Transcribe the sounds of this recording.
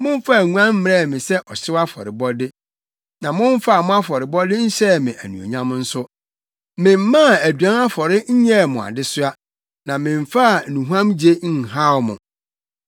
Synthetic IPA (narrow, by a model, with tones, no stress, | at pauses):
mʊ̃˦ɱ˦fa˦˨ŋũ˦ã˦m̩˦m˨ɾɛ˦˨mɪ̃˨sɛ˦ʔɔ˨sɪ˦a˦fɔ̰˨ɾɪ˨bɔ˦dɪ˦ | nã˨mʊ̃˦ɱ˦fa˦a˨mʊ̃˦a˦fɔ˨ɾɪ˨bɔ˦dɪ˦n̩˦ɕɛ˦˨mɪ̃˨ʔæ˨nũ˨o̰˨ɲã˦m˦n̩˦sʊ˦ | mɪ̃˨m̩˦mã˦˨æ˨dɥã˦na˦fɔ˨ɾɪ˦ɲ̩˦ɲɛ˦˨mʊ̃˨a̰˨dɪ˦sʊ˦a˦ | nã˨mɪ̃˨ɱ˨fa˦˨nũ˨ɦã˦md͡ʑe˦ŋ̩˦˨ɦa˦wmʊ̰̃˨